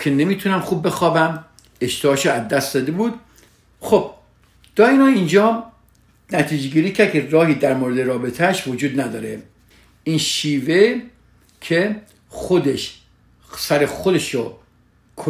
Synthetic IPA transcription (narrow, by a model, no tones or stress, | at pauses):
kʰenemiːt̪ʰunæmxuːb̚ːe̞xɒːbæm | e̞ʃt̪ʰebɒːʃoæzd̪æst̪d̪ɒːd̪e̞buːd̪̥ | xob̥̚ | d̪̥ɒːinɒːind͡ʒɒː | næt̪ʰiːd͡ʒeɡiːɾiːcʰæɾd̪̚kʰerɒːhiːd̪æɾmoːɾed̪eɾɒːbe̞t̪ʰæʃvod͡ʒuːd̪næd̪ɒːɾe | inʃiːve | kʰe | xod̪eʃ | sæɾexod̪e̞ʃo | kʰ